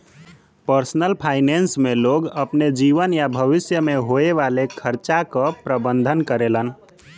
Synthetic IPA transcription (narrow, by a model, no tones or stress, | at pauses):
pəɾsnəlpʰaɪnensmeloɡəpned͡ʒiʋənjabʱəʋisjəmeɦoeʋalekʰəɾt͡ʃakəpɾəbənd̪ʱənkəɾelən